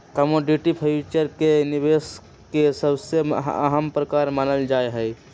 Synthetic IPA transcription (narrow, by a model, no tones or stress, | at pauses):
kəmoɖiʈipʰəɪt͡ʃəɾkenibeːs | kesəbseə̰ɦəmpɾəkaːɾmaːnəld͡ʒaːeɦɛj